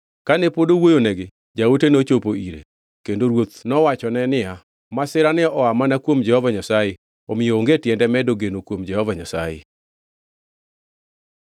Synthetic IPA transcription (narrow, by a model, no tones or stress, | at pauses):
kanepodowojonɛɡɪ | d͡ʒaotenot͡ʃopoiɾḛ | kendoɾwot̪nɔwat͡ʃɔnɛnɪa | masɪɾanɪɔʔɔamanakwomd͡ʒɛhɔvaɲasaje | omɪjoːŋɡetjɛndɛmɛdoɡenokwomd͡ʒɛhɔvaɲasajḛ